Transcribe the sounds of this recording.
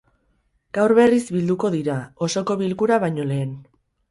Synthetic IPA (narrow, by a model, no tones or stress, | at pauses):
ɡ̥awɾβe̞rizβild̪uko̞ðiɾao̞so̞ko̞βilkuɾaβ̞aɲo̞le̞ːn